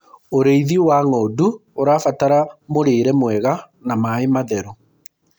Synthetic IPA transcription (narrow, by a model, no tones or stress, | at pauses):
oɾeiðiwaŋɔduoɾaːfataɾamoɾeːɾɛmwɛɣa | namaemaðɛɾɔ